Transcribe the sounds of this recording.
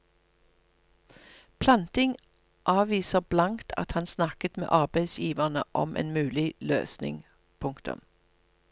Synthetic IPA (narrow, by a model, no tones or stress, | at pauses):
pʰlɑnt̪ɪŋ | ʔɑːʋiːsəʁblɑŋt̪ʰɑ̰t̪hɑnsnɑkət̪mḛːʔɑʁbæɪsjiːʋəʁnəʔɔ̰mʔḛːnmʉːlɪlø̰ːsnɪ̰ŋ | pʰʊŋkt̪ʊ̰m